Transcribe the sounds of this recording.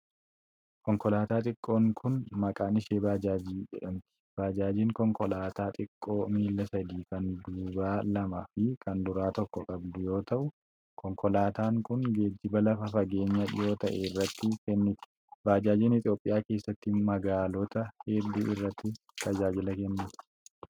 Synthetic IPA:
kɔŋkɔlaːt̪aːt̪ʼɪkʼːo̞ːŋkʰʊnmɐkʼaːnɪʃeːbaːd͡ʒaːd͡ʒiːd͡ʒɛ̰ᶑɐmt̪ɪ̥b̥aːd͡ʒaːd͡ʒiːŋkɔŋkɔlaːt̪aːt̪ʼɪkʼːo̞ːmiːlːɐsɐd̪iːkɐnd̪uːbaːlɐmɐfɪkʰɐnd̪ʊɾaːt̪ɔkːɔkʼɐbd̪ʊjo̞ːt̪ɐʔʊ | kɔŋkɔlaːt̪aːŋkʊnɡeːd͡ʒːɪbɐlɐfɐfɐɡe̞ːɲːɐjo̞ːt̪ɐʔɛrːɐt̪ːɪkɛnːɪt̪ɪ̥ | baːd͡ʒaːd͡ʒiːnɪt̪ʼjo̞ːpʼːɪjaːke̞ːsːɐt̪ːɪmɐɡaːlɔt̪ɐhɛd̪ːuːʔɪrːɐt̪ːɪ | t̪ʰɐd͡ʒaːd͡ʒɪlɐkɛnːɪt̪ɪ̥

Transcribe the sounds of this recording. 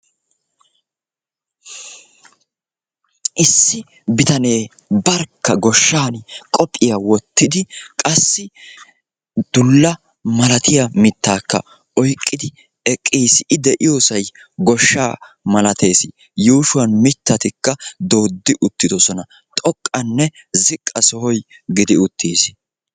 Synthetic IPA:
ʔɪsːɪ | bɪt̪ɐne̞ː | bɐɾkːɐɡɔʃːaːnkʼɔpʼːɪjawɔt̪ːɪd̪ɪkʼɐsːɪ | d̪̥ʊlːɐ | mɐlɐt̪ʰɪjɐmɪt̪ːaːkːɐ̰ | ɔjkʼːɪd̪ɪ | ɛkʼːiːsɪd̪ɛʔɪjoːsɐj | ɡɔʃːaː | mɐlɐt̪e̞ːsɪ | juːʃʊwɐnmɪt̪ːɐt̪ɪkːɐd̪o̞ːd̪ːɪʔʊt̪ːɪd̪ɔsɔnɐ | t̪ʼɔkʼːɐnːɛzɪkʼːɐsɔhɔjɡɪd̪ɪʊt̪ʰːiːs

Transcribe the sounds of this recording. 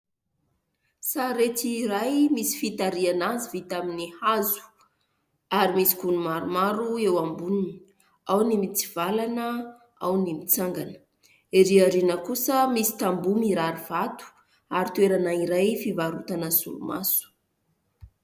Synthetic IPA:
saɾet̪iɾajmisi̥fit̪aɾianazivit̪aminihazu̥ | aɾimisi̥kunumaɾumaɾuewambunini̥ | awnimit͡siv̥alanə | a̰wnimit͡saŋɡanə̥ | iɾiaɾinəkusəmisi̥t̪ambumiɾaɾiv̥at̪u̥ | aɾit̪weɾanaiɾajfivaɾut̪anəsṵlṵma̰su̥

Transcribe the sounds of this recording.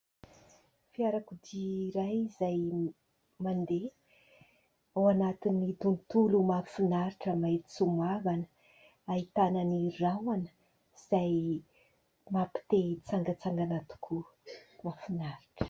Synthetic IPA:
fiaɾakud̪iɾajizaj | mand̪e | awanat̪inːid̪unt̪ulumafinaɾiʈ͡ʂəmaet̪i̥t͡sumavanə̥ | ait̪anənirawanə̥ | z̥aj | mapi̥t̪et͡saŋɡət͡saŋɡanat̪u̥kʰumafinaɾi̥ʈ͡ʂə̥

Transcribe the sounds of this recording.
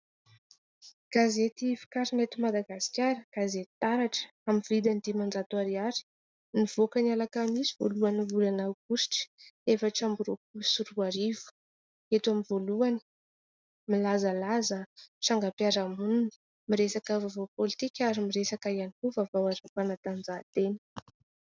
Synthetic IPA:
ɡ̥azet̪ifi̥kaɾinet̪umad̪aɡasi̥kʲaɾəɡ̥azett̪aɾaʈ͡ʂə̥ | amivid̪and̪imand͡ʒat̪uaɾiaɾi̥ | niv̥okənialakamisivo̰luanivulanawkusi̥ʈ͡ʂə̥efaʈ͡ʂambuɾokusuɾuaɾivu̥ | et̪uamivoluani̥ | milazəlazəʈ͡ʂaŋɡapjaɾamunini̥ | miɾesakəvavapolit̪ikʲaɾimiɾesakajanikuvavawaɾapanat̪and͡zat̪eni̥

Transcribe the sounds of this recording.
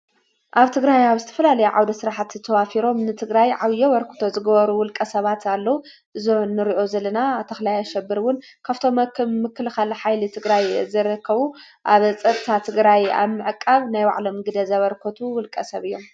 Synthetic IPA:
ʔaβt̪ʰɨɡɾajaβzɨt̪ʰɐ̥fɐlalɐjuʕa̰wd̪ɐsɨɾaħat̪ʰɨt̪ʰɐwafiɾo̞mnɨt̪ʰɨɡɾajʕaβɨjowɐɾkʰo̥t̪ʰo̞zɨɡɐβɐɾuwʊlkʼɐsɐβat̪ʰalːɐwu | ʔɨzonːɨɾiʔo̞zɐlɐnat̪ʰɐxlajaʃɛbːɨɾwʊn | kʰaβt̪ʰo̞mːɐkmɨkːɨlɨxalħajlɨt̪ʰɨɡɾajzɐɾɐkʰːɐβu | ʔaβt͡sʼɐt̪ʼt̪ʰat̪ʰɨɡɾaja̰βmɨʕɨkʼːaβnajwa̰ʕlo̞mɡɨd̪ɐzɐβɐɾkʰot̪ʰuwʊlkʼɐsɐβɨjːo̞m

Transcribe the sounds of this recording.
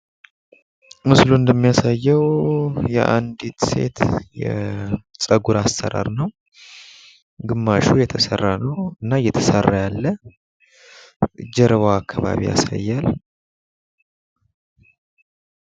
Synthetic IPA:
mɨsluɨnd̪əmːijasajːɛwjɛʔand̪it̪se̞̰t̪jɛsʼəɡuɾasːəɾa̰ɾnəw | ɡɨmːaʃujɛt̪ʰəsərːanəwɨnːajɛt̪ʰəsərːajalːə | d͡ʒɛɾəβaːkʰːaβa̰βḭja̰sa̰jːal

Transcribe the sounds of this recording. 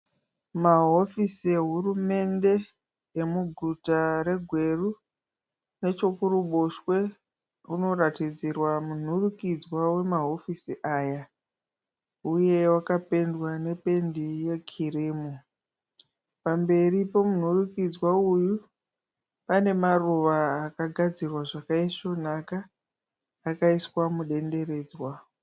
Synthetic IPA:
maɦo̞fisieɦurume̞nde̞ | emuɡʱutaɾe̞ɡʱwe̞ru | ne̞t͡ʃokuɾuɓoʃwe | uno̞ratid͡zirwamun̤urukid͡zwawe̞maɦo̞fisiʔaːja | uje̞wakape̞ndwane̞pe̞ndije̞kʰiriːmu | pambe̞ripo̞mun̤urukid͡zwauju | pane̞maruʋaːkaɡʱad͡zirwaʐakaiʂon̤akaː | kaiswamuɗe̞nde̞re̞ːd͡zwa

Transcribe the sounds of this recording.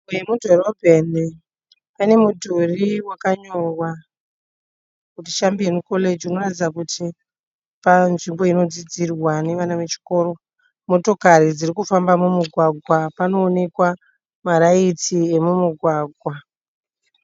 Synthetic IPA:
ujemudʱo̞ɾo̞bʱeni | pane̞mudʱuriwakaɲorwa | kuti̥ʃambiemuko̞le̞d͡ʒiuno̞ratid͡zakuti | panʐimbo̞ino̞d͡zid͡zirwane̞ʋanaʋe̞t͡ʃi̥ko̞ɾo̞ | mo̞to̞kaɾid͡ziɾikufambamumuɡʱwaɡʱwapano̞ːne̞kwa | maɾait͡sie̞mumuɡʱwaːɡʱwa

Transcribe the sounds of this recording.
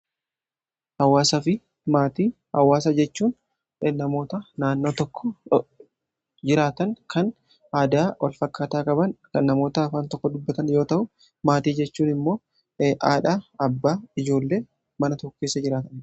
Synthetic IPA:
hɐwːaːsɐfɪ | maːt̪iː | hɐwːaːsɐd͡ʒɛt͡ʃːuːn | nɐmo̞ːt̪ɐnaːnːo̞ːt̪ɔkːɔ | d͡ʒɪɾaːt̪ɐŋkʰɐn | aːd̪aːwʔɐ̰lfɐkːaːt̪aːkʼɐbɐnkɐnːɐmo̞ːt̪ɐːfaːnt̪ɔkːɔd̪ʊbːɐt̪ɐnjo̞ːt̪ɐʔʊ | maːt̪iːd͡ʒɛt͡ʃːuːnɪmːo̞ː | ʔaːᶑaːɐbːaːɪd͡ʒo̞ːlːe̞ː | mɐnɐt̪ɔkːeːsːɐd͡ʒɪɾaːt̪ɐn

